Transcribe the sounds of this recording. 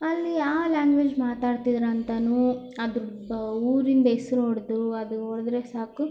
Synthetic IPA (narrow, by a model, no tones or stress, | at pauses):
ɐlːiaːlaːŋɡʋeːd͡ʒmaːt̪aːɽt̪id̪ɾɐnt̪ɐnuː | ɐd̪u | uːɾind̪ɐesɾoːɽd̪uɐd̪uoːɽd̪ɾesaːku